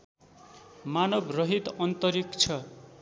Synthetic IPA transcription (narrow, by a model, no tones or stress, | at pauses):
manʌbrʌɦit̪ʌnt̪ʌɾikt͡sʰʌ